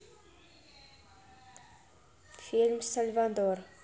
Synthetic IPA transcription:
filmsalvad̪ɔr

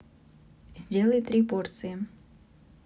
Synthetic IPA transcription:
zʲdʲe̞lˠəjt̪ɾʲipo̞rt̪sɨjɪ

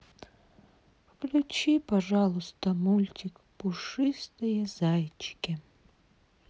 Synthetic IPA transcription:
wklʲut͡ʃipɐʒɑlˠʊst̪ɔmulʲtʲik | pʊʂɪst̪ɪjɛzajt͡ʃkʲɪ

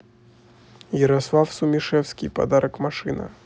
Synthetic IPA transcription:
jɛɾaslˠafsumʲiʂɛwsʲkʲipa̰d̪aɾʔɐkmaʂɨnɐ̰

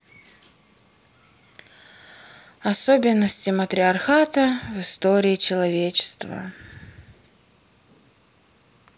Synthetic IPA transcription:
ɐsobʲɪnːəsʲtʲɪmət̪ɾʲɪɐrxat̪əvɨst̪oɾʲɪːt͡ɕɪlˠɐvʲet͡ɕɪ̥st̪və̰

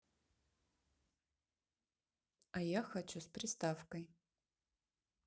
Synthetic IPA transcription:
ajaxɐt͡ɕuspɾʲɪst̪afkəj

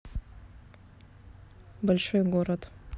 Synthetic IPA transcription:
bɐlʲʂojɡoɾət̪

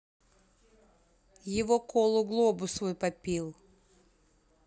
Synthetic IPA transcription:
jɪvokolˠʊɡlˠobʊsvojpɐpʲilˠ

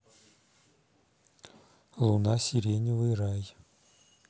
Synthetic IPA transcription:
lˠunasʲɪɾʲenʲɪvɨjraj

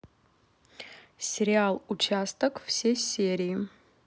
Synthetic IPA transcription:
sʲɪɾʲɪalˠut͡ʃast̪əkfsʲesʲeɾʲijː

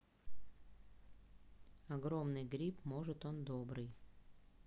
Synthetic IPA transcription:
ɐɡɾomnɨjɡɾʲipmoʐɨt̪ond̪obɾɨj

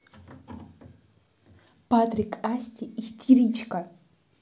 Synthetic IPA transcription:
patrikʰʼastʲiistʰirit͡ʃʰkʼa

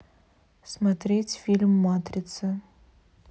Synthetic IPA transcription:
smat̪ɾʲetʲfʲilʲmːat̪rʲɪt̪sɨ

